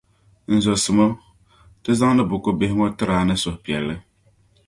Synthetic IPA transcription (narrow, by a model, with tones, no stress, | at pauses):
n̩˨zɔ˨sɨ˨mo˦ | tɨ˦za˦ŋnɨ˦bʊ˨ko˦be˨hɪ˦ŋɔ˦tɨ˦ɾaː˨nɨ˦sʊ˨hpi˨ɛ˨lːɨ˦